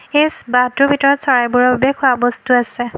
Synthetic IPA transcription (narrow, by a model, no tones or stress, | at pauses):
esbatʊbʱitɔɹɔtsɔɹajbʊɹɔbabɛkʰʊabɔstuasɛ